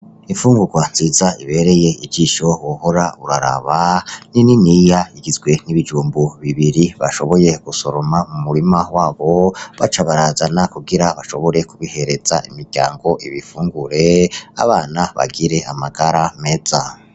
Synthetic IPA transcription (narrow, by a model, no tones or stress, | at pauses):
iɱfuːŋɡuɡwanz̥iːzaiβe̞ːɾe̞je̞iɟiːʃo̞woho̞ɾauɾaɾa̰βanininijaiɡizɡwe̞niβid͡ʒuːmbuβiβiɾiβaʃo̞βo̞je̞ɡ̥uso̞ɾo̞mamumuɾimawaːβo̞βat͡ʃaβaɾaːzanakuɡiɾaβaʃo̞βo̞ɾe̞kuβihe̞ɾe̞z̥a̰ḭmiɾɟa̰ːŋɡo̞ʔiβifuːŋɡuɾe̞a̰βaːnaβa̰ɡiɾe̞ʔamaɡaɾame̞d͡za